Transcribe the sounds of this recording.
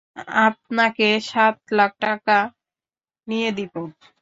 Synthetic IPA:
ap̚nakeʃat̪̚lak̚ʈak̚ka | nijed̪it̪o

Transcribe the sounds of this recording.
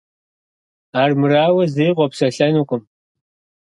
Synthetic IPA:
aːrmɨraːwɐzijqʷɔpsɐɬɐnuqʷʊm

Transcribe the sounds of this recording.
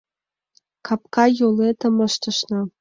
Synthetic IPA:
kʰɑp̚kɑjolet̪əməʃt̪ə̆ʃnɤ̆

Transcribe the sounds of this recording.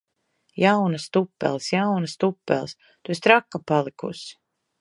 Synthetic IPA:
jawnast̪upːɛ̰lˠsjawnast̪upːɛ̰lˠs | t̪uest̪ɾakːapalˠikṵs

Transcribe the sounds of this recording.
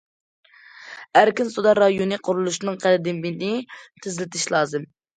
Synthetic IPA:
æɾkʲinsud̪ɑɾɑjonɨqʰʊɾulˠuʃnɨŋqʰælɪd̪ɪmɪnɪt̪ʰɪzlɪt̪ʰɪʃlˠɑːzɨm

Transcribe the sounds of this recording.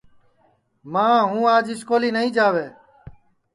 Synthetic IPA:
mãːɦũːaːd͡ʒɪskoːliːnəɦĩːd͡ʒaːʋeː

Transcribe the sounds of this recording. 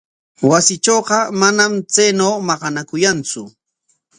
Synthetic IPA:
wasɪt͡ʃoːqɑmanamt͡sajnawmɑɢɑnakʊjant͡sʊ

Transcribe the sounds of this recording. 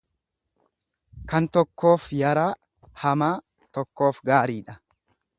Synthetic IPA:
kɐnt̪ɔkːo̞ːfjɐɾaː | hɐmaː | t̪ɔkːo̞ːfɡaːɾiːᶑɐ

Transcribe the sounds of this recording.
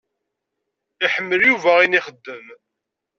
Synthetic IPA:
iħəmːəljuvæiniχəd̪ːəm

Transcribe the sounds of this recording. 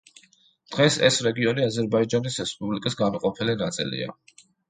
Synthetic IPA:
d̪̥ʁɛsɛ̰sɾɛɡiɔniazɛɾbaid͡ʒanisɾɛspʼublikʼisɡamɔqʼɔpʰɛlinat̪sʼḭlḭa̰

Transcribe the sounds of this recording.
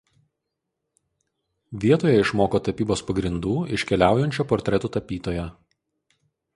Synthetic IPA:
ʋʲiɛt̪oːjɛɪʃmoːkoːt̪ɐpʲiːboːspɐɡɾʲɪnd̪uːɪʃʲkʲɛlʲæˑʊjɛnʲt͡ʃʲuːpɔːɾʲt̪ʲɾʲɛt̪uːt̪ɐpʲiːt̪oːjɛ

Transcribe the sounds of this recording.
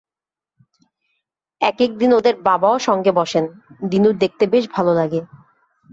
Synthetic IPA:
ɛkek̚d̪inod̪eɾbabaoʃɔŋɡebɔʃend̪inuɾd̪ek̚t̪ebeʃ̬bʱalolaɡe

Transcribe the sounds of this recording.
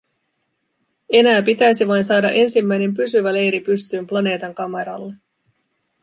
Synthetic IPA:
e̞næːpit̪æjsiʋɑjnsɑːdɑ̰ʔe̞nsimːæjne̞mpysyʋæle̞jɾipyst̪yːmplɑne̞ːt̪ɑŋkɑmeɾɑ̰lːe

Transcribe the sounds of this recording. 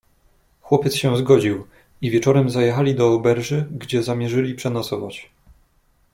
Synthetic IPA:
xwɔpʲjɛt̪sɕɛzɡɔd͡ʑiw | ivʲjɛt͡ʂɔɾɛmzajɛxalʲid̪ɔːbɛɾʐɘɡd͡ʑɛzamʲjɛʐɘlʲipʂɛnɔsɔvat͡ɕ

